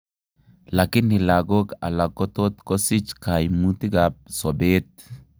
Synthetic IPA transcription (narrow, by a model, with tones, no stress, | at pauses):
la˨ki˦ni˨la˨ɡo˦ka̰˨la˨kɔ˦t̪o˦t̪ko˦si˦t͡ʃka˨jmu˦t̪i˦ɡap̚so˨be˦t̪̚